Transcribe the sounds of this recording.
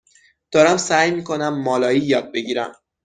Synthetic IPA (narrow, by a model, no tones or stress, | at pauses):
d̪̥ɒːɾæmsæːjmiːkʰo̞næmːɒːlɒːiːjɒːd̪̚be̞ɟiːɾæ̰m